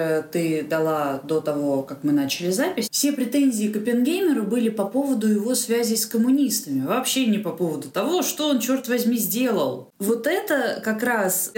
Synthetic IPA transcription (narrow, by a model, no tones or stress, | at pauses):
ət̪ɨd̪ɐlˠad̪o̞t̪ɐvo̞kakmɨnat͡ɕɪlʲɪzapʲɪsʲfsʲe̞pɾʲɪt̪enʲzʲɪːkəpʲɪnɡʲejmʲɪɾʊbɨlʲɪpɐpo̞vəd̪ʊjɪvo̞svʲæzʲɪskəmʊnʲist̪əmʲɪvɐːpɕenʲɪpɐpo̞vəd̪ʊt̪ɐvo̞ʂt̪o̞ont͡ɕo̞rt̪vɐzʲmʲizʲdʲe̞lˠəlˠ | vo̞t̪ɛt̪əkɐkɾas